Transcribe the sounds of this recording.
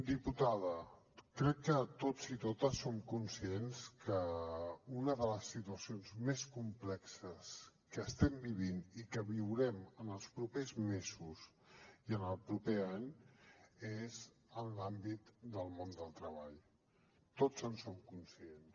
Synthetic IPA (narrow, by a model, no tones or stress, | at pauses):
d̪iput̪aðə | kɾɛkːət̪ozit̪ot̪əsːomkunsienskə | unəðələsːit̪uəsionzmeskumplɛksəskəːst̪ɛmbiβinikəβiwɾɛmənəlˠspɾupezmezus | iənəlˠpɾupeaɲ | ez | ənlambit̪d̪əlˠmond̪əlˠt̪ɾəβaʎ | t̪ozənsomkunsiens